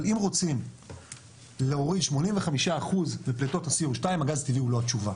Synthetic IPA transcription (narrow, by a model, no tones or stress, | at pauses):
limʁo̞t͡sim | leoʁid̪ʃmo̞nimveχamiʃaːχuzmepleto̞thasiuʁʃtaimaɡazt̪iviulo̞at͡ʃuva